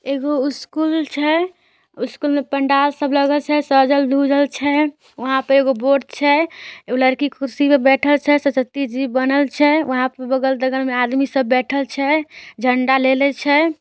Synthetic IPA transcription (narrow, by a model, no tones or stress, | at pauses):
eɡoiskult͡ʃʰɛ | iskulmepəɳɖalsəbləɡəlt͡ʃʰɛsəd͡ʒəld̪ʱud͡ʒəlt͡ʃʰɛ | ʋəɦãpəɾeɡoboʈt͡ʃʰɛoləɾkikuɾsimebɛʈʰəlt͡ʃʰɛsəsət̪ːid͡ʒibənəlt͡ʃʰɛʋəɦãpəɾbəɡəld̪əɡəɾmead̪misəbːɛʈʰəlt͡ʃʰɛd͡ʒʱəɳɖalelɛt͡ʃʰɛ